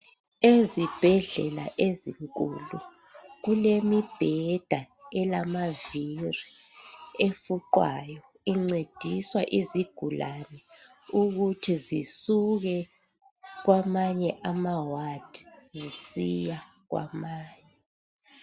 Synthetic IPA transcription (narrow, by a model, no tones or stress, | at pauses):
ezib̥ʱɛɮɛla̰ʔeziŋkʼulu | ɣulemib̥ʱɛd̥ʱa | ɛlamaviri | efuǃwa̰jɔ | iŋ͡ǀed̥ʱiswaʔiziɡ̥ʱulanɛ | uɣutʰizisuɣɛ | ɣwamaɲɛʔamawad̥ʱi̥zisijaɣwa̰maːɲɛ